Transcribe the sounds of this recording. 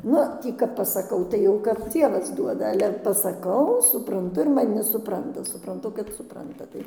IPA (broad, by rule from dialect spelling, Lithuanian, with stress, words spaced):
ˈnʊ ˈtʲiː kɐp pɐsɐˈkɐʊ tɐɪ ˈjɛʊ kɐp ˈd͡zʲiɛʋɐs ˈduɔdɐ ˈɑːlʲɛ pɐsɐˈkɐʊ sʊprɐnˈtʊ ɪr mɐˈnʲɪ sʊˈprɐntɐ sʊprɐnˈtʊ kɐt sʊˈprɐntɐ ˈtɐɪ